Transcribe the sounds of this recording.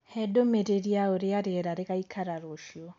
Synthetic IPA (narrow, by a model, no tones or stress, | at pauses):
hɛdomeɾeɾiaoɾeaɾeɛɾaɾeɣaikʰaɾaɾoʃiɔ